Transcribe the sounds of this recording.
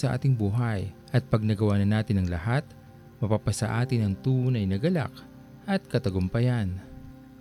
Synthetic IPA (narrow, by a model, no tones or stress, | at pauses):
sɐʔa̰ːt̪ɪŋbuːɦɐjʔɐt̪̚pɐɡ̚nɐɡɐwaːnɐnaːt̪ɪnɐŋlɐhat̪̚ | mɐpapɐsɐʔaːt̪ɪnɐŋt̪uːnɐjnɐɡɐla̰k̚ | ʔɐt̪̚kɐt̪ɐɡʊmpɐjan